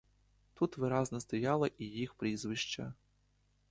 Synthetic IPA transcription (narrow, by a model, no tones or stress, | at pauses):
t̪ut̪ʋɪɾɑznɐst̪ɔjɑlˠɐʔijixpɾʲizʋɪʃt͡ʃɐ